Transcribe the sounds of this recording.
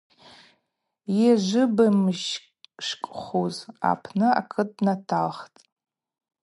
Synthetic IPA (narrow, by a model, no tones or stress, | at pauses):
jaʒʷɨbamʒ | ʃkʼχoza̰pʰnɨa̰kʰɨtʼnatʰalχtʼ